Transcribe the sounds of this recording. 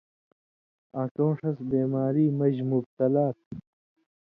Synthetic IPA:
akõːʂɐsbeːmaːɾiːmɐʑmub̚t̪ɐlaːt̪̚

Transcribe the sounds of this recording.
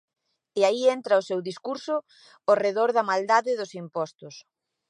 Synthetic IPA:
eaient̪ɾɐʊsewðiskuɾsʊː | reðoɾðɐmald̪aðɪðʊsimpɔst̪ʊs

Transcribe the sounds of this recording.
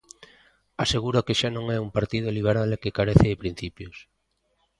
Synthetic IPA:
aseɣuɾokɪʃanõŋɛumpaɾt̪iðoliβ̞eɾalekɪkaɾeθɪðɪpɾin̟θipjʊs

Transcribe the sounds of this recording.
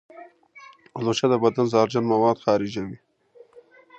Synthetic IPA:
ʊloʃad̪əbad̪anzɑːɾd͡ʒanmɐwɑːd̪xɑːɾɪd͡ʒawi

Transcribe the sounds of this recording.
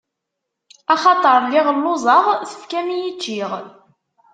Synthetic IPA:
ɑχɑt̪ˤəɾˤlɪʁəlːʊzˤɑʁθə̥fkæmijit͡ʃːiʁ

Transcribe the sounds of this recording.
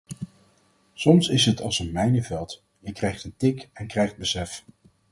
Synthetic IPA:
sɔmsɪsɦətɑlˠsənmɛjnəvɛlˠt | jəkrɛjχtəntɪkɛnkrɛjχd̚bəsɛf

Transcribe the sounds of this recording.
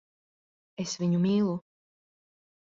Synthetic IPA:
esviɲumiːlˠu

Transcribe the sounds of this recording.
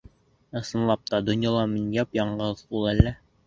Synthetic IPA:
ɤ̆sɤ̆nlˠɑp̚t̪ɑd̪ŏnjɑlˠɑminjɑpjɑɴɢɤðbulˠælːæ

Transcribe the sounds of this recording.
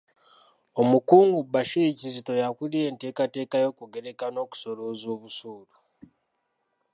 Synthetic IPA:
omukuːŋɡubaʃiicizito̞jakulie̞ːnte̞ːkate̞ːkajo̞ːkuɡe̞ɾe̞kano̞ku̥so̞loːzo̞ːβusuːlu

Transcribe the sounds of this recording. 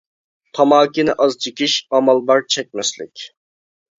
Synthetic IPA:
t̪ʰɑmɑːkʲinɪʔɑzt͡ʃʰikʲiʃɑmɑlˠbɑɾt͡ʃʰɛk̚ʲmɛslɪ̰kʲ

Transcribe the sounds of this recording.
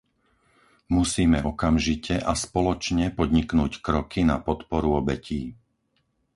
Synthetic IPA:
musiːmɛɔkamʒicɛʔaspɔlɔt͡ʃɲɛpɔd̪ɲiknuːckɾɔkina̰pɔt̪pɔɾuɔbɛciː

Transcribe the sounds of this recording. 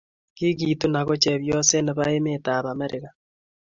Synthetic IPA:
kiɣitunaɣot͡ʃeβjoseneβaemetaβameɾʔeɣa

